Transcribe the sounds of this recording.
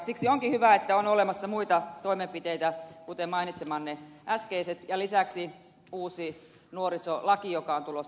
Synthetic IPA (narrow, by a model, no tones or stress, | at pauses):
siksioŋkihyʋæet̪ːæonolemɑsːɑmuit̪ɑt̪oimempit̪eit̪ækut̪emmɑinit̪semɑːnneʔæskeiset̪jɑlisæksi | uːsi | nuoɾisolɑkijokɑont̪ulos